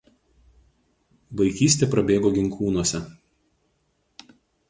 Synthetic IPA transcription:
ʋɐɪkʲiːsʲt̪ʲepɾɐbʲeːɡoːɡʲɪŋˑkuːnuɔsʲɛ

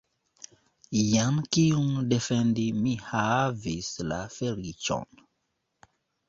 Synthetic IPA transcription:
jankiundefɛndimihavisla̰felit͡ʃɔ̰n

